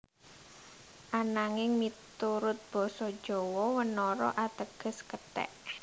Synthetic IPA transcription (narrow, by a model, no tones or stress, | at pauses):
ʔanaŋɪŋmit̪uɾʊt̪̚b̥ɔ̤sɔd̥ʒ̥ɔwɔwənɔɾɔ̰ʔat̪əɡ̥ə̤skət̪ɛ̰ʔ